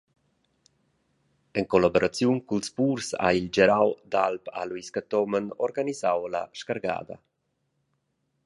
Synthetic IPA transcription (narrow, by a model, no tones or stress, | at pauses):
ɛŋkɔlaboɾat͡sjunkulspuːrsa̰ild͡ʒɛɾawd̪alpa̰lwiskat̪ɔmənɔɾɡanizawla̰ʃkaɾɡa̰ːd̪a̰